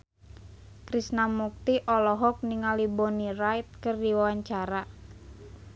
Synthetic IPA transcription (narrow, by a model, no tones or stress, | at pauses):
kɾisnamuk̚t̪iʔɔlɔɦɔk̚niŋalibɔnirajt̪̚kɨrdiwawaɲt͡ʃaɾa